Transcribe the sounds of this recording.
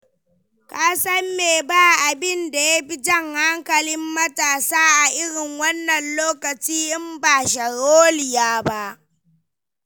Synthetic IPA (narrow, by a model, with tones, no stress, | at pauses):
kaː˦sɐ˦mːeː˨baː˦ʔa˨bɪ˦nda˨ja˦ɸi˦d͡ʒɐ˦ŋha˦ŋkɐ˨lɪ˦mːɐ˦taː˨saː˦ʔa˨ʔɪ˦ɽɪ˨ŋwɐ˦nːɐ˨nloː˦kɐ˨t͡ʃiː˦ʔɪ˦mbaː˨ʃɐ˨ɾoː˦lɪ˨jaː˦ba˦ʔ